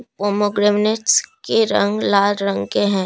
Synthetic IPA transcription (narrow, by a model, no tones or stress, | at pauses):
poːmoɡɾemneʈskeɾɐ̰̃ŋɡlaːlɾə̃ŋɡkeɦɛ̃ː